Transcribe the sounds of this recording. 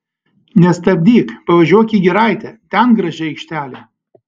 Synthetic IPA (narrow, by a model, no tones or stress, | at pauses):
nʲɛst̪ɐbʲd̪ʲiːkpɐʋɐʒʲuɔkʲiːɡʲɪɾɐɪt̪ʲɛt̪ʲɛnɡɾɐʒʲɛɛɪkʃʲt̪ʲæːlʲɛ